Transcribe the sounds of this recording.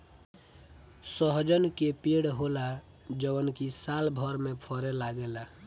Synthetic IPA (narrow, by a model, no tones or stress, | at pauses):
səɦd͡ʒənkepeɽɦola | d͡ʒəənkisalbʱəɾmepʰəɾelaɡela